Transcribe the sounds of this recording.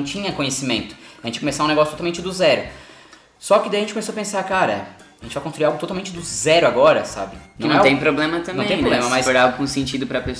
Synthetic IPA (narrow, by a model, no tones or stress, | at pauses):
t͡ʃĩɲɐkõɲesimẽnt̪ʊ̥ɐʒẽt͡ʃɪkomesaũneɡɔsjt̪ot̪awmẽnt͡ʃɪd̪ʊzɛɾʊ | sɔkɪd̪ajɐẽnt͡ʃɪkomesoɐpẽsaɾkaɾɐ̰ | ɐʒẽt͡ʃɪvajkõst̪ɾuiɾawɡʊt̪ot̪awmẽnt͡ʃɪd̪ʊzɛɾʊaɡɔɾɐsa̰bɪɪnɐ̃ɛt̪ẽj̃pɾoblẽmɐt̪ɐ̃m̃ẽẽp̪oblẽmɐmasfoɾaʊkũsẽnt͡ʃid̪ʊpɾɐpes